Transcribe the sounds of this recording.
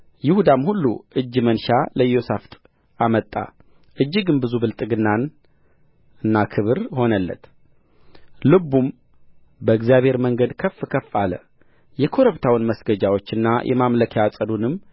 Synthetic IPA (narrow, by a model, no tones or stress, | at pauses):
jɪhud̪amhulːuɨd͡ʒːmənʃaləjo̞saft̪ʼ | ʔamət̪ʼːa̰ | ʔɨd͡ʒːɨɡɨnbɨzubɨlt̪ʼɨɡɨnːan | ɨnːakʰɨβɨɾho̞nəlːə̰t̪ | lɨbum | bəɨɡzijaβhe̞ɾməŋɡəd̪kʰəfːɨkʰəfːalə̰ | jɛkʰo̞ɾəβt̪ʰawɨnməsɡəd͡ʒawo̞t͡ʃːɨnːajʔɛ̰mamləkʰjasʼəd̪unɨmː